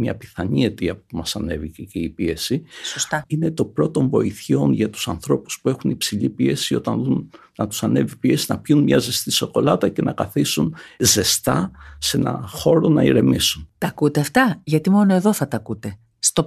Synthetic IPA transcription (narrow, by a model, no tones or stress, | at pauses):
mɲɐ̰pi̥θɐɲiet̪iɐppumɐsɐne̞viceceipie̞sisost̪ɐine̞t̪o̞pɾo̞t̪o̞ɱvo̞iθço̞nʝɐt̪u̥sɐnθɾo̞pu̥spue̞xunipsiʎipie̞sio̞t̪ɐnðunnɐt̪u̥sɐne̞vipie̞sinɐpçunmɲɐze̞st̪iso̞ko̞lɐt̪ɐce̞nʔɐkɐθisunze̞st̪ɐse̞nɐ̰xo̞ɾo̞nɐiɾe̞misunt̪ɐkut̪e̞ɐft̪ɐʝɐt̪imo̞no̞e̞ðoθɐt̪ɐkut̪e̞ | st̪o